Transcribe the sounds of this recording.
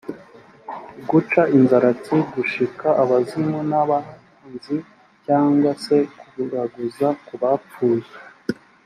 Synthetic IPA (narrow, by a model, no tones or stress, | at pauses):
ɡut͡ʃainzaɾatiɡuʃikaʔːβazimunaβa | nzi | caːŋɡwase̞kuuɡaɡuzakuβap͡fuːje